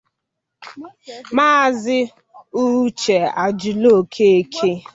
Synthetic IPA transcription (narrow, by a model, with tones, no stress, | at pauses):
maː˦˨zɪ˦ | u˦t͡ʃe˨a˨d͡ʒʊ˨lo˦˨kʰe˦e˦kʰe˦